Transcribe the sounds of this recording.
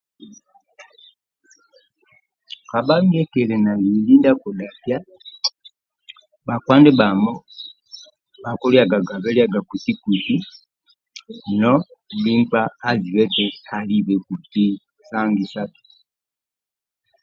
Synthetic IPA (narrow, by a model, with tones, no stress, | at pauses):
ka˨ba˦ŋ˦ɡɛ˦kɛ˨lɛ˨na˨li˨li˦nda˦kɔ˨da˨pja˦ | ba˨kwa˦ndɛ˦ba˨mɔ˦ | ba˨kɔ˦li˦a˨ɡa˨ɡa˨βɛ˦li˦a˦ɡa˨ku˨ti˦ku˨ti˦ | nɔ˦bi˦ŋ˦ka˦a˦zi˨wɛ˦tɛ˦˨a˨li˦bɛ˨ku˨ti˦ | sa˦ŋɡi˨sa˦tu̥˨